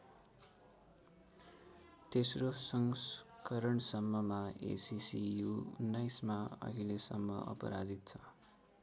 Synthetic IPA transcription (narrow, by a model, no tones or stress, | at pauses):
t̪esrosʌŋskʌɾʌɳsʌmːʌmaḛsisijuunːajsmaʌ̰ɦilesʌmːʌʌ̰pʌ̰ɾad͡zit̪̚t͡sʰʌ̥